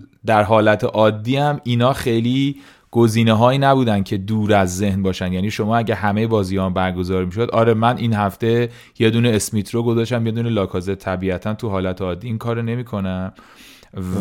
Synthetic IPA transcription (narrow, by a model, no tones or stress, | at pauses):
d̪æɾɦɒːlæt̪ʰeʔɒːd̪ːiːæmiːnɒːxe̞jliː | ɡ̥o̞ziːneɦɒːiːnæbuːd̪ænd̪̥̚cʰe̞d̪uːɾæzːe̞hnbɒːʃænd̪jæːniːʃo̞mɒːæɟæɦæmejebɒːzijɒmbæɾɡo̞zɒːɾmiʃ̬o̞d̪ʔɒːɾe̞mænʔinhæft̪e̞ | je̞d̪uːneːsmit̪ʰɾoɡo̞zɒːʃt̪æmje̞d̪uːnelɒːkʰɒːzet̪ʰæbiːæt̪ʰænt̪ʰuɦɒːlæt̪ʰeɒːd̪ːiiːŋkʰɒːɾone̞miːkʰo̞næm